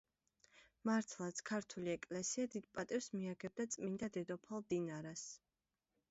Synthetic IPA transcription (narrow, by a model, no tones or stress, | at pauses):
maɾt̪ʰlˠat̪sʰkʰaɾt̪ʰuliɛkʼlɛsiad̪id̪̥̚pʼat̪ʼivsmiaɡɛb̚d̪at̪sʼmind̪ad̪ɛd̪ɔpʰalˠd̪inaɾas